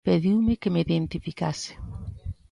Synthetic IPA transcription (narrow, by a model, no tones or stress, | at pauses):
peðiwmɪkemeiðent̪ifikasɪ̥